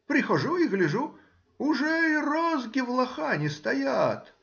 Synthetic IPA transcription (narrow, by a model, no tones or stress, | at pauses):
pɾʲɪxɐʐuiɣlʲɪʐu | ʊʐɛirozɡʲɪvlˠɐxanʲɪst̪ɐjat̪